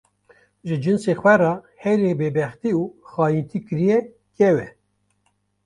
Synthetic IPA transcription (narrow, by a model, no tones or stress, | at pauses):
ʒɨd͡ʒɨnseːxwɛɾɑːhɛjɾeːbeːbɛxt̪iuːxɑːjint̪ʰiːkɨɾijɛ | kɛwɛ